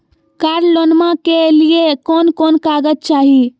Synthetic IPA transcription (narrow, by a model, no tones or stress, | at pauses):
kaɾlonmãkeliekɔnkɔnkaɡət̪̚t͡ʃaːɦi